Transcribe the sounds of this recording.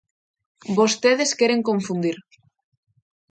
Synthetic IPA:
bost̪eðeskeɾeŋkoɱfund̪iɾ

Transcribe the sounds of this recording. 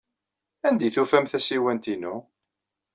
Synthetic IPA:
ænd̪ijθufæmθæsiwænt̪inu

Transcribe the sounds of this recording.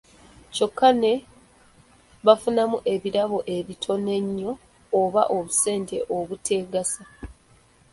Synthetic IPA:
co̞kːane̞ | βafunamuʔe̞βiɾaβo̞ʔe̞βitʰo̞ne̞ɲːo̞ː | βa̰ʔoβuse̞ːnte̞ʔoβutʰe̞ːɡasa

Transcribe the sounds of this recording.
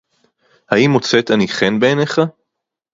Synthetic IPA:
haimot͡set̪aniχenbeːneχa

